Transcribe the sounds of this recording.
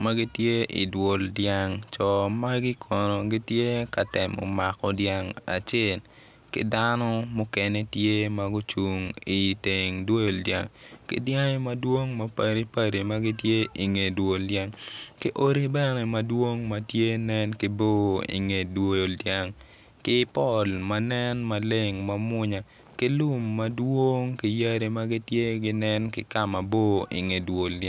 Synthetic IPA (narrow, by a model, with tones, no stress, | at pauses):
ma˦ɡi˦tje˦ʔḭ˨dwo˨ldja˦ŋt͡ʃɔ˨ma˦ɡɪ˦kʰɔ˨nɔ˨ɡi˦tje˦ka˨tɛ˨mɔ̰˨ma˨kɔ˨dja˦ŋa̰˨t͡ʃe˦l | kɪ̰˦da˦nɔ˦mʊ˦kɛ˦ne˦tje˦ma˦ɡʊ˦t͡ʃu˨ŋi˨te˨ŋdwo˦jo˨ldja̰˦ŋkɪ̰˦dja˦ŋe˦mɐ˦dwo˦ŋmɐ˦pa˨ɾi˦pa˦ɾi˨ma˦ɡi˦tje˦ʔi˨ŋe˨dwo˨ldja˦ŋkɪ˦ʔo˦ɾi˦bɛ˦nɛ˨mɐ˦dwo˦ŋmɐ˦tje˦nɛ˦nkɪ˨bo˦ḭ˨ŋe˨dwo˦jo˨ldja˦ŋ | kɪ˦pɔ˦˨lma˦nɛ˦nma˨le˦ŋma˦mʊ˦ɲa˨ | kɪ˦lʊ˦mːɐdwo˦ŋkɪ˨ja˦ɾi˦ma˦ɡɪ˦tje˦ɡɪ˦nɛ˦nkɪ˨ka˦ma˨bo˦ḭ˨ŋe˨dwo˨lda˦